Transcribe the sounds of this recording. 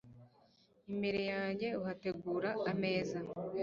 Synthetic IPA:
imbeɾe̞jaːɲɟe̞uhate̞ɡuːɾaːme̞ːza

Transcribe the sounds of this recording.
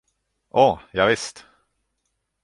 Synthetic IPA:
ʔɔjɑːvɪst̪

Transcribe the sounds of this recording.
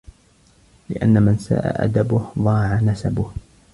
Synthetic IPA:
lɪʔa̰nːamɪnsa̰ːʔa̰ʔa̰d̪abʊhðˤɑːʕanasabʊh

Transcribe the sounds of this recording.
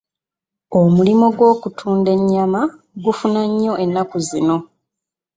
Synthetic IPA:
omulimoɡwo̞ːkutʰuːnde̞ɲːama | ɡufunaɲːo̞ʔe̞nːakuzino̞

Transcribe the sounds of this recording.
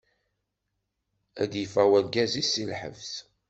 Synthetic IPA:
æd̪jəfæwænɡæzisilħə̰vs

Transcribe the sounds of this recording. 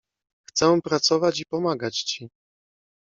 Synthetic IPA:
xt̪sɛ̃pɾat̪sɔvat͡ɕipɔmaɡat͡ɕt͡ɕi

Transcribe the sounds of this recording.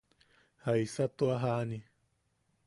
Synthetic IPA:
hajsat̪oaɦani

